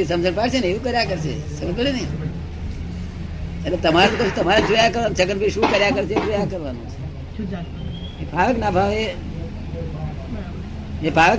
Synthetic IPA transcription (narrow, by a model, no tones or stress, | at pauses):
isə̃md͡ʒəɳpaɽseneʋũkəɾjakəɾsḛ | səbəbəɽini | t͡ʃaɾet̪əmaɾat̪ok̪əsʰut̪ɐmaɾed͡ʒujakəɾʋanũt͡ʃʰəkəɾbiɾʃũːkəɾjakəɾt͡ʃʰed͡ʒojakəɾʋanṵ̃t͡ʃʰe̥ | ebʱaʋəknabʱaʋe | ebʱaʋək